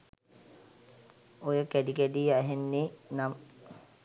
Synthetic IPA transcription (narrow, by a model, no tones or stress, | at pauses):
ojəkæɖikæɖijəæɦenːenam